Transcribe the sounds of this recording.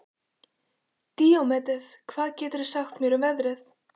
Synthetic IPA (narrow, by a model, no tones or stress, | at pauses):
t̪iːowmɛt̪ɛskʰvaːðcɛːt̪ʏɾɛ̥saxt̪mjɛɾʏmɛðɾɪθ